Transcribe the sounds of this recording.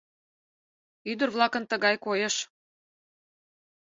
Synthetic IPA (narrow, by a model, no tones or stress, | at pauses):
yd̪ə̆rβlˠɑkə̆nt̪ə̆ɣɑjkojeʃ